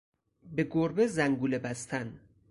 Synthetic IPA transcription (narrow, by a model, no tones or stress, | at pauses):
be̞ɡoɾbezæŋɡuːlebæst̪ʰæn